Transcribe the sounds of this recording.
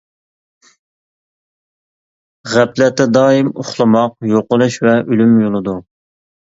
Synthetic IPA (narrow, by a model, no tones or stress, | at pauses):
ʁæplɛt̪ːɛd̪ɑːjimoχlˠɨmɑqjoqʊlˠuʃvɛʔylymjolˠɨd̪u